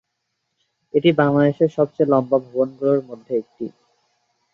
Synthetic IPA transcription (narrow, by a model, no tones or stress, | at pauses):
eʈibaŋlad̪eʃeɾʃɔbt͡ɕejlɔmbabʱɔbonɡuloɾmod̪ʱːeek̚ʈi